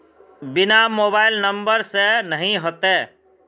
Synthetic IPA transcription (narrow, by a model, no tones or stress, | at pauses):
bɪnamoːbaːɪlnə̃mbəɾsenəɦĩɦoːt̪eː